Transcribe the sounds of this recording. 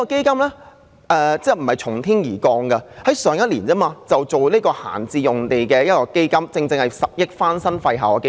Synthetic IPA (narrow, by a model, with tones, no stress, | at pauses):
i˥kɔ˧ke˥jkɐ˥mlɛː˥ | ʔɛː˧t͡sɛː˥m̩˨˩hɐ˨˩jt͡sʰʊ˨˩ŋt̪ʰiː˥njiː˨˩kɔː˧ŋɡɐ˧hɐ˨˦˥jsœː˨˧ŋjɐ˥t̚liː˨˩nt͡sɐː˥maː˧t͡sɐ˨wt͡so˨wliː˥kɔː˧ha̰ː˨˩nt͡siː˧jʊ˨ŋt̪e˨jkɛː˧jɐ˥t̚kɔː˧ke˥jkɐ˥mt͡sɪ˧ŋt͡sɪ˧ŋhɐ˨jsɐ˨p̚jɪ˥k̚faː˥nsɐ˥nfɐ˧jɦaː˨˩wɔ˧ke˥